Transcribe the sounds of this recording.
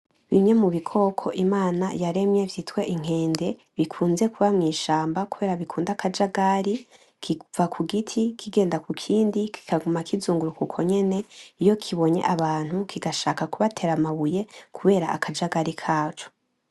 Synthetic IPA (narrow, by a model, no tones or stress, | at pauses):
βimɲe̞muβikʰo̞kʰo̞ʔimaːna̰jaɾe̞mɲe̞vjitwe̞ʔiŋ̥e̞ːnde̞ | βikʰuːnze̞kuβamŋiːʃaːmbakuβe̞ːɾaβikʰuːndakad͡ʒaɡaɾi | kivakʰuɡitʰikʰiɡe̞ːndakukʰiːndikʰi̥kaɡumakʰizuːŋɡuɾukukʰo̞ɲe̞ne̞ijo̞kʰiβo̞ɲe̞̰ʔaβaːn̥hukʰiɡaʃaːkakuβatʰe̞ːɾamaβuje̞kʰuβe̞ːɾaʔakʰad͡ʒaɡaɾikʰaːt͡ʃo